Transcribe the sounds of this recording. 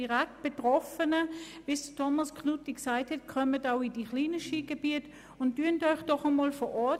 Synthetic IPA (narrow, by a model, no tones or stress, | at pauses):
iʁɛk̚t̚b̥etʁɔfənəv̥isd̥tʰɔmɑsknutiksaɪthɛt̚kʰœmətaʊid̥iχliːnəʃiːɡ̥eb̥iət | ʊntːyəntɔʏχd̥ɔχəmɔːlfɔʔɔɐ